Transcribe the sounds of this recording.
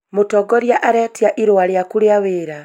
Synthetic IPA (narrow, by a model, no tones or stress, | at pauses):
motɔɡɔɾjaʔaɾɛtiaʔiɾoaɾeakuɾeaweːɾa